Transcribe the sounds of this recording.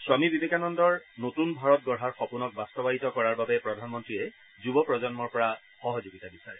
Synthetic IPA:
swamibibekanɔndɔɹnotunbʱaɹɔtɡɔɹɦaɹxɔpunɔk̚bastɔbaɦitɔkɔɹaɹbabɛpɹɔdʱanmɔntɹiɛ | zubɔpɹɔzɔnmɔɹpɔɹa | xɔɦɔzuɡitabisaɹɛ

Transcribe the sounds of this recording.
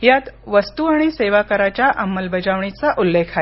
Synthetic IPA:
jat̪ʋəst̪uaɽ̃iseʋakəɾat͡ɕjaʔamːəlbəd͡ʑaʋɳit͡saʔulːekʰa

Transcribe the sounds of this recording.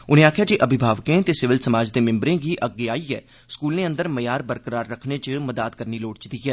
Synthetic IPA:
ʊnẽːaːkʰjaːd͡ʒeːʔəbɪbʱaːʋkẽːt̪eːsɪʋɪlsəmaːd͡ʒd̪eːmɪ̃mbɾẽːɡiːʔəɡːeːaːiːɛ̰ː | skuːlneːə̃nd̪əɾməjaːɾbəɾkəɾaːɾːəkʰneːt͡ʃəməd̪aːd̪̚kəɾniːloːɽt͡ʃd̪iːɦɛː

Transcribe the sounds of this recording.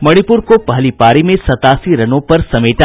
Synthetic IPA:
mɐɽ̃ipʊɾkopɐɦlipaːɾimẽsɐt̪aːsiɾɐnõpɐɾsɐmeːʈa

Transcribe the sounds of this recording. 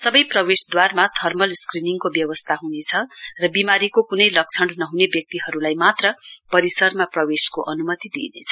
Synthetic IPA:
sʌbʌjprʌwesd̪warmat̪ʰʌrmʌlskriniŋkobjʌwʌst̪ʰaɦunet͡sʰʌrʌbimaɾikokunʌjlʌk̚t͡sʰʌɳnʌɦunebjʌk̚t̪iɦʌɾulajmat̪rʌpʌɾisʌrmaprʌweskoʔʌnumʌt̪id̪ḭnḛt͡sʰʌ̥

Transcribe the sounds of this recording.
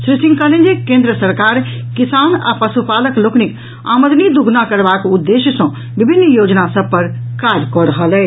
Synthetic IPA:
sɾisĩŋkəlẽnd͡ʒekẽnd̪ɾəsəɾkaɾ | kisana̰pəsupaləkloknik | a̰məd̪nid̪uɡʱnakəɾbakud̪ːesjəsə̃ | bibʱinːjod͡ʒnasəb̚pəɾ | kad͡ʒkɔɾəɦəlɛ

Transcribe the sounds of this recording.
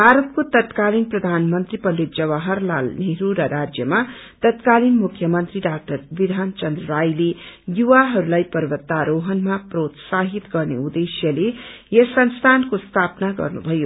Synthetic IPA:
bʱaɾʌt̪̚kot̪ʌt̪kalinprʌd̪ʱanmʌnt̪ripʌlːit̪d͡zʌβaɦʌrla̰lneɾuɾʌɾad͡zjʌma | t̪ʌt̪kalinmukʰjʌmʌnt̪riɖak̚ʈʌɾbid̪ʱant͡ʃʌnd̪rʌɾajlejuwaɦʌɾulajpʌɾbʌt̪ːaɾoɦʌnmaprot̪saɦit̪ɡʌrnḛud̪esjʌlejʌsʌnst̪ʰankost̪ʰapnaɡʌ̰rnṵbʱʌjo

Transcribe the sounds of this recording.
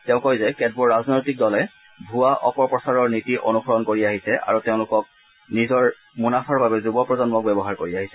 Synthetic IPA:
tɛʊ̃kɔjzɛkɛd̚bɔɹɹaznojtik̚dɔlɛ | bʱuaʔɔpɔɹpɹɔsaɹɔɹnitiʔo̰nuxʰɔɹɔnkoɹiaɦisɛʔa̰ɹutɛʊ̃lʊkɔk̚ | nizɔɹ | munapʰaɹbabɛzubɔpɹɔzɔnmɔk̚bɛbɔɦaɹkoɹiaɦisɛ

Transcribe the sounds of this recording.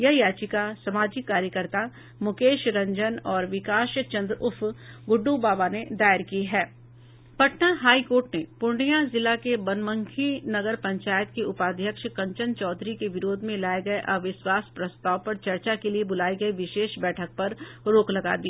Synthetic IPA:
jɐɦjaːt͡ʃikasɐmaːd͡ʒɪkːaːɾjəkəɾt̪a | mʊkeːʃɾɐ̃ɲd͡ʒənɔːɾʋɪkaːʃt͡ʃɐ̃nd̪ɾʊfɡʊɖːubaːbaned̪aːɪɾkiɦɛː | pɐʈnaɦaːikoːɾʈnepʊɳɖijazɪlakebɐnmə̃ŋkʰinɐɡəɾpɐ̃ɲt͡ʃaːjət̪̚keʊpaːd̪ʱjəkʃkɐ̃ɲt͡ʃənt͡ʃɔːd̪ʱɾikeʋɪɾoːd̪ʱmẽlaːeɡɐeʔɐʋɪʃwaːspɾɐst̪aːʋpɐɾt͡ʃɐɾt͡ʃakeliebʊlaːiɡɐiʋɪʃeːʃbɛːʈʰək̚pɐɾɾoːklɐɡa̰ːd̪iː

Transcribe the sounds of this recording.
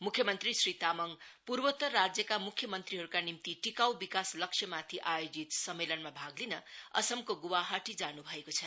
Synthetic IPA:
mukʰjʌmʌnt̪risrit̪amʌŋpurbʌt̪ːʌːad͡zjʌkamukʰjʌmʌnt̪riɦʌɾukanimt̪iʈikawbikaslʌksʰʌmat̪ʰiʔajod͡zit̪sʌmːelʌnmabʱaɡlinʌʌ̰sʌmkoɡuwaɦaʈid͡zanubʱʌekot͡sʰʌ

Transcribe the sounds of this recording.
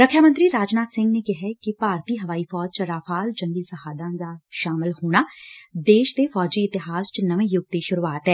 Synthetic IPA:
ɾəkʰjaːmə̃nt̪ɾiːɾaːd͡ʒnaːt̪sɪ̃ŋɡneːkɪɦɛkɪpaːɾt̪iːɦəʋaːiːfʰɔːd͡ʒt͡ʃəɾaːfʰaːlt͡ʃə̃ŋɡiːsəɦaːd̪ãːd̪aːʃaːmɪlhoːɽ̃aːd̪eːʃt̪eːfʰɔːd͡ʒiːɪt̪ɪɦaːst͡ʃnəʋẽːjʊɡ̚t̪eːʃʊɾuaːt̪ɦɛː

